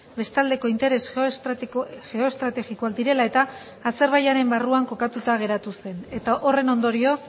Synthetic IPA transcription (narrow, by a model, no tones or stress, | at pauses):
be̞st̪ald̪e̞ko̞int̪e̞ɾe̞s | ɣe̞o̞est̪ɾat̪e̞ɣikoak̚d̪iɾe̞lae̞t̪aː | se̞ɾβajaɾe̞mbaruaŋko̞kat̪ut̪aɣ̞e̞ɾat̪use̞ne̞t̪aʔo̞re̞no̞nd̪o̞ɾio̞s